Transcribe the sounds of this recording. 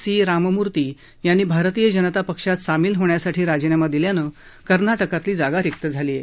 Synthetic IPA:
siːɾaməmuɾt̪iː | janːiːbʱaɾt̪iːjəd͡ʑənət̪apəkʂat̪samiːlɦoɳjasaʈʰiːɾad͡ʑənamad̪iljanəː | kəɾnaʈəkat̪liːd͡zaɡaɾek̚t̪əd͡zʱaliːjḛ

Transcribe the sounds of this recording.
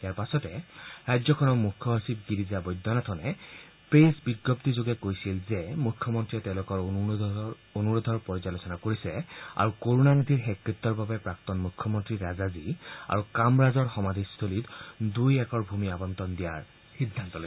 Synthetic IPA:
ijaɹpasɔtɛɹajzɔkʰɔnɔɹmukʰjɔɦɔsib̚ɡidiziabɔjd̪ʱːɔnɔtʰɔnɛ | pɹesbiɡːɔptizoɡɛkojsilzɛmukʰːɔmɔntɹiɛtɛ̃lʊkɔɹ | onuɹod̪ʱɔɹpɔɹzalosɔnakoɹisɛa̰ɹukoɹunanad̪ʱiɹxekɹit̪ːɔɹbabɛpɹak̚tɔnmukʰːjɔmɔntɹiɹazazia̰ɹukamɹazɔɹxɔmad̪ʱist̪ʰolitdujɛkɔɹbʱumiabɔntɔndija̰ɹ | xidʱːantɔlos

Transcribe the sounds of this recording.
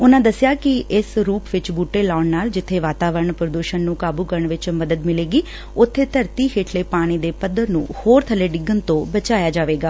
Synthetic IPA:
ʊnãːd̪əsɪjaːkɪʔɪsɾuːpʋɪt͡ʃbuːʈeːlaːɳnaːld͡ʒɪt̪ʰːeːʋaːt̪aːʋəɾəɳpɾəd̪uːʃənːũːkaːbuːkəɾəɳʋɪt͡ʃməd̪əd̪mɪleːɡiː | ʊt̪ʰːeːt̪əɾt̪iːkeːʈleːpaːɽ̃iːd̪eːpəd̪əɾnṵ̃ːhoːɾt̪ʰəleːɖɪɡənt̪õːbət͡ʃaːjaːd͡ʒaːʋeːɡaː

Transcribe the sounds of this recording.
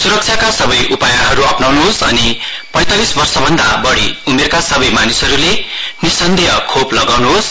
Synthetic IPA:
suɾʌk̚t͡sʰjakasʌbʌjʔupajaɦʌɾuʌpnawnuɦosʌni | pʌ̃j̃t̪alisbʌrsʌbʱʌnd̪abʌɽiumerkasʌbʌjmanisʌɾulenisʌnd̪ʱijʌkʰoplʌɡawnuɦos

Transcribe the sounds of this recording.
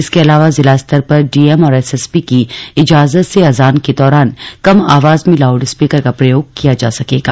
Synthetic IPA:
ɪskeɐlaːʋazɪlaːst̪əɾpɐɾɖiːɛmɔːɾɛsɛspikiɪd͡ʒaːzət̪seɐzaːnked̪ɔːɾaːnkɐma̰ːʋaːzmẽlaːʊɖɪspiːkəɾkapɾɐjoːɡ̚kijad͡ʒaːsɐkeːɡaː

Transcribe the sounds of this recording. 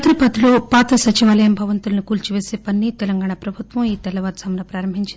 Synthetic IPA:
t̪ɾipɐt̪iloːpaːt̪ɐsɐt͡ʃiʋaːlɐjɐmbʱɐʋɐnt̪ulɐnukuːlt͡ʃiʋeːseːpɐnːit̪ɛlɐŋɡaːɳapɾɐbʱut̪ʋɐmiːt̪ɛlɐʋaːt̪sɐmɐnɐpɾaːɾɐmbʱiɲt͡ʃindi

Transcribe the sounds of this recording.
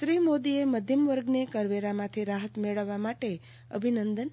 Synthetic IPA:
ʃɾimod̪ieməd̪ʱjəmʋəɾɡnekəɾʋeɾamãt̪ʰiɾaɦət̪meɭəʋːamaʈe | ə̰bʱinənd̪ən

